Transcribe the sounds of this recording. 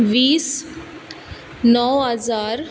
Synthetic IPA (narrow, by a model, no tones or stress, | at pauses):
ʋiːs | nɔːɦəzaːɾ